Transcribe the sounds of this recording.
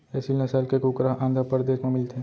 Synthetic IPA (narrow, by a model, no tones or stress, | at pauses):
ɛːsilnɐsaːlkekuːkɾaɦʔãːnd̪ʱapəɾd̪eːsmẽmɪlt̪ʰeː